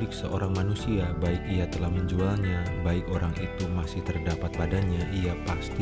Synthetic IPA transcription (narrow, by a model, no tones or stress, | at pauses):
lɪk̚səʔoɾaŋmanusiabaɪkijat̪əlahməɲd͡ʒualɲabaɪkoɾaŋit̪umasɪht̪ərdapat̪̚padaɲaʔijapast̪i